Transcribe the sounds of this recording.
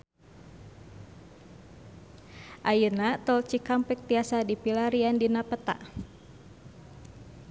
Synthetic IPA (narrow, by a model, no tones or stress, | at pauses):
ʔajənat̪əlt͡ʃikampɛk̚t̪iasadipilaɾiandinapət̪a̰ʔ